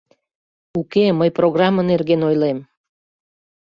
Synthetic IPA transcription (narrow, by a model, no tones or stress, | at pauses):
ukeməjproɣrɑmːənerɣenojlem